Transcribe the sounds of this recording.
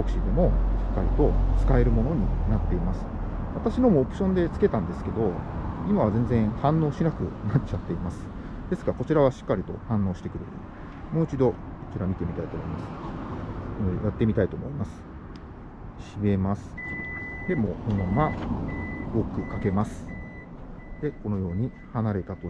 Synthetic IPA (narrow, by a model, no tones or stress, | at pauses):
okɯ̟̥ɕid̪e̞mo̞ɕi̥kːaɾʲit̪o̞t͡sɨ̥kae̞ɾɯ̟mo̞no̞ɲ̟ḭnat̪ːe̞imasɨ̥βat̪aɕino̞moːpɯ̟ɕõ̞nd̪e̞t͡sɨ̥ke̞t̪ãnd̪e̞sɨ̥ke̞d̪o̞imaβ̞azẽ̞nd͡zẽ̞ɰ̃hãnːo̞ːɕinakɯ̟̰nat͡ɕat̪ːe̞imasɨ̥ | d̪̥e̞sɨ̥kako̞t͡ɕiɾaβ̞aɕi̥kːaɾʲit̪o̞hãnːo̞ːɕi̥t̪e̞kɯ̟ɾet̪od̪e | mo̞ːit͡ɕid̪o̞ | kot͡ɕiɾamʲit̪e̞mʲit̪ait̪o̞ːmo̞imasɨ̥ | ejat̪ːe̞mʲit̪ait̪oːmo̞imasɨ̥ | ɕime̞masɨ̥d̪e̞mo̞ːkonmamːa | okɯ̟kake̞masɨ̥ | d̪̥e̞ko̞no̞jo̞ːɲ̟i | hanaɾe̞t̪at̪o